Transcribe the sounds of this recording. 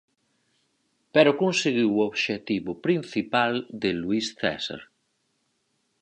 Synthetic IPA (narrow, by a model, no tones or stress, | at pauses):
peɾokonseɣiwoβʃet̪iβopɾinθipald̪eluisθɛ̰sa̰ɾ